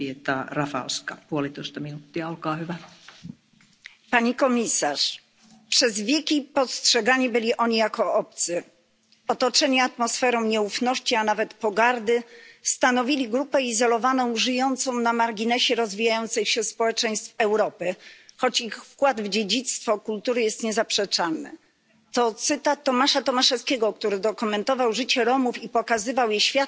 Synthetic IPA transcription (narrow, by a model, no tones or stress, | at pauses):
iet̪ɑrɑfɑ̰lskɑpuolit̪oist̪ɑminut̪ːiɑolkɑːhyʋæ | paɲikɔmʲisaʂ | pʂɛzvʲjɛkʲipɔstʂɛɡaɲibɘlʲiʔɔɲijakɔʔɔp̚t̪sɘ | ɔt̪ɔt͡ʂɛɲiat̪mɔsfɛɾɔ̃w̃ɲɛufnɔɕt͡ɕianavɛt̪pɔɡaɾd̪ɘst̪anɔvʲilʲiɡɾupɛizɔlɔvanɔ̃w̃ʐɘjɔnt̪sɔ̃w̃namaɾɡʲinɛɕɛɾɔzvʲijajɔnt̪sɛxɕɛspɔwɛt͡ʂɛj̃st̪fɛwɾɔpɘxɔt͡ɕixfkwad̪vd͡ʑed͡ʑit̪st̪fɔkult̪uɾɘjɛst̪ɲɛzapʂɛt͡ʂanɘ̰ | t̪ɔt̪sɘt̪at̪ːɔmaʂat̪ɔmaʂɛskʲɛɡɔkt̪uɾɘd̪ɔkɔmɛnt̪ɔvawʐɘt͡ɕɛɾɔmufipɔkazɘvawjɛɕfʲjat̪